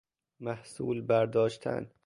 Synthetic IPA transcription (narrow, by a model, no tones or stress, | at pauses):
mæhsṵːlbæɾd̪ɒːʃt̪ʰæ̰n